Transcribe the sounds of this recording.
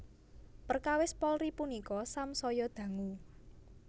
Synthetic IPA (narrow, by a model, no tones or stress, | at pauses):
pərkawɪspɔlɾipunikɔsamsɔjɔd̪̥ä̤ŋu